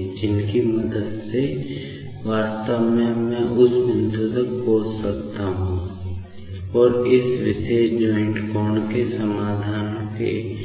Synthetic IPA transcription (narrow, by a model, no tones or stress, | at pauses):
d͡ʒɪnkiməd̪əd̪se | ʋaːst̪əʋmẽmɛ̃ʔʊsmɪ̃nd̪ut̪ək̚boːd͡ʒsɐkt̪aɦũː | ɔːɾɪsʋɪsed͡ʒɔːɪ̃ɳʈkɔːnkesəmaːd̪ʱaːnõkḛ